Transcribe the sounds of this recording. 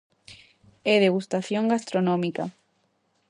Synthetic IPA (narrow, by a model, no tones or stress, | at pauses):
eðeɣust̪aθjõŋɡast̪ɾonõmika̰